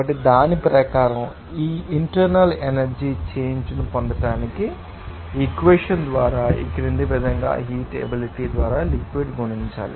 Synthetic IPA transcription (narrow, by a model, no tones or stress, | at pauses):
ɐʈːid̪aːnipɾɐkaːɾɐm | iːiɳʈɐɾnɐlenɐɾd͡ʒiːt͡ʃeːɲd͡ʒnupond̪ɐʈaːniki | ikʋeːʂɐnd̪ʋaːɾaːḭkiɾind̪iʋɛd̪ʱɐŋɡa̰ːɦiːʈḛbiliʈiːd̪ʋaːɾaːlikʋiɖɡuɳiɲt͡ʃa̰ːlḭ